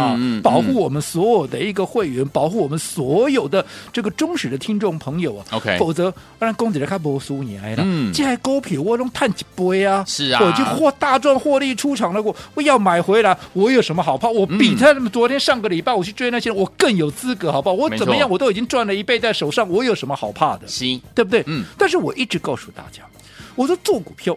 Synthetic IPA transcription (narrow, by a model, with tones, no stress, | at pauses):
pɑ˨˩ʊxu˥˩wɔ˨˩mə˦nswɔ˧˥jo˨˩ʊd̪ə˦i˧˥ɡə˧xwe˥˩ɪɥɛ˧˥npɑ˨˩ʊxu˥˩wɔ˨˩mə˦nswɔ˧˥jo˨˩ʊd̪ə˦ | ʈ͡ʂɤ˥˩ɡə˩ʈ͡ʂʊ˥ŋʂɻ̩˨˩d̪ə˧t̪ʰi˥nʈ͡ʂʊ˥˩ŋpʰɤ˧˥ŋjo˨˩ʊɐ̰˦˧fo˨˩ʊt͡sɤ˧˥ | ɻa˧˥kʊ˥ŋt͡ɕi˨˩ə˥kʰa˥p̬ɔ˧˥wɔ˧˩su˧˥u˨˩njɛ̰˧˥na˧˥ɪlə˧t͡ɕi˥a˧˥˩ɪko˥ʊpʰi˨˩wɔ˧˥ʈ͡ʂʊ˥ŋt̪ʰa˥˩nt͡ɕi˨˩pu˥˩e˥ɪɐ˧ʂ̩˥˩wɔ˨˩t͡ɕo˥˧ʊxwɔ˥˧t̪a˥˧ʈ͡ʂwɑ˥˧ŋxwɔ˥˧li˥˩ʈ͡ʂʰu˥ʈ͡ʂʰɑ˨˩ŋlə˧kwɔ˥˩we˥˧jɑ˥˩ʊma˨˩ɪxwe˧˥ɪla˧˦wɔ˧˥jo˨˩ʊʂə˧˥mə˧xɑ˨˩ʊpʰa˥˩wɔ˧˥pi˨˩t͡sʰa˥˧n˥˩mə˩t͡swɔ˧˥t̪ʰjɛ˥nʂɑ˥˩ŋɡə˨˩li˨˩pa˥˩ɪwɔ˨˩t͡ɕʰy˥˩ʈ͡ʂwn˥˩ɕi˥˩wɔ˨˩kə˥˩ŋjo˨˩ʊt͡sɹ̩˥kɤ˧˥xɑ˨˩ʊpʰɑ˥˩wɔ˧˥m˦t͡sə˨˩ə˦jɑ˥˩ŋwɔ˨˩t̪o˥ʊi˨˩t͡ɕi˥ŋʈ͡ʂwa˥˩nlə˩i˧˥pe˥˧ɪt͡sa˥˩ɪʂo˨˩ʊʂɑ˥˩ŋwɔ˧˥jo˨˩ʊʂə˧˥nmə˧xɑ˨˩ʊpʰa˥˩d̪ə˩˥t̪we˥˩bu˩t̪we˥˩ɪt̪a˥˧nʂ̬ɻ̩˥˩wɔ˨˩ʔi˥˩ʈ͡ʂɻ̩˧˥kɑ˥˧ʊʂu̥˥˧˩t̪a̰˥˩t͡ɕja˥ | wɔ˨˩t͡ɕo˥t͡swɔ˥˩ku˨˩pʰjɑ˥˩ʊ